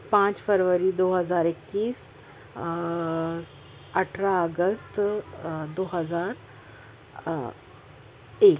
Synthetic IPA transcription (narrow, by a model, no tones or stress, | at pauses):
pãt͡ɕfəɾʋəɾid̪oɦəzaːɾekːiːs | əʈʰɾaəɡəst̪ | d̪oɦəd͡zaɾ | ek